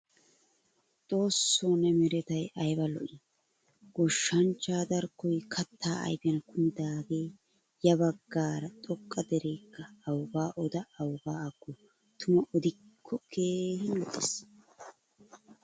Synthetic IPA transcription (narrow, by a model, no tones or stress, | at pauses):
t̪ʼo̞ːsːonɛmɪɾɛt̪ɐjɐjbɐlɔ̰ʔi | ɡ̥ɔʃːɐnt͡ʃːaːd̪ɐɾkːɔjkʰɐt̪ʰːa̰ːɐ̰jpɪjɐnɐkʊmɪd̪aːɡeː | jɐbɐɡːaːɾɐt̪ʼɔkʼːɐd̪ɛɾeːkːɐːwɡaːʔɔd̪ɐːwɡaːɐɡːɔ | t̪ʰʊmɐʔɔd̪ɪkʰːɔkʰe̞ːhɪnlɔʔɪs